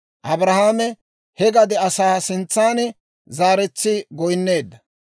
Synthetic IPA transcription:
ʔɐbɾɐhaːmɛ | hɛɡɐd̪ɛɐsaːsɪnt͡sːaːn | zaːɾɛt͡sːɪɡɔjnːe̞ːd̪ːɐ

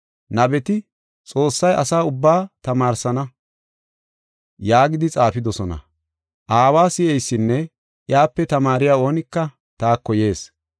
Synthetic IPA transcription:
nɐbɛt̪ɪ | t͡sʼo̞ːsːɐjʔɐ̰saːʊbːaːt̪ɐmaːɾsɐnɐ | jaːɡɪd̪ɪt͡sʼaːfɪd̪ɔsɔnɐ̰ | ʔaːwaːsɪʔɛjsːɪnːɛ | ʔɪjaːpːɛt̪ɐmaːɾɪjaːo̞ːnɪkːɐ | t̪aːkːɔje̞ːs

